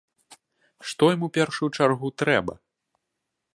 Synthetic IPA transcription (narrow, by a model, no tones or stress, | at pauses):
ʂt̪ɔjimupʲɛrʂujut͡ʂarɣut̪ɾɛbɐ̰